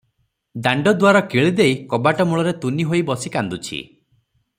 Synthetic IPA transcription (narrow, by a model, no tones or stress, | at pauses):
d̪aɳɖɔd̪waɾɔkiɭid̪ejkɔbaʈɔmuɭɔɾet̪uniɦojbɔsikand̪ut͡ʃʰḭ